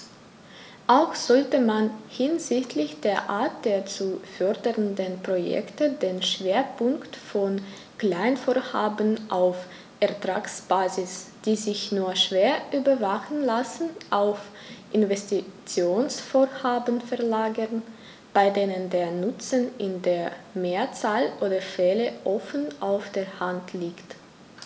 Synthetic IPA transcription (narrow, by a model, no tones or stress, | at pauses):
ʔaʊxz̥ɔltəmanhɪnzɪçtʰlɪçd̥eːɐʔa̰ːɐt̚d̥eːɐt͡sufœɐdəʁəndənpʁ̥ojɛ̰ktədeːnʃv̥eːɐpʰʊŋktfɔn | kl̥aɪnfoːɐhaːbənʔaʊf | ʔɛɐtʁ̥aːksb̥aːzɪsd̥iːzɪçnuːɐʃv̥eːɐʔyːbɐvaχn̩lasn̩ʔaʊf | ʔɪnvɛstit͡sjoːnsfoːɐhaːbənfɛɐlaːɡən | b̥aɪdeːnəndeːɐnʊt͡sənʔɪndeːɐmeːɐt͡saːlʔoːdɐfɛːləʔɔfənʔaʊfd̥eːɐhantʰliːkt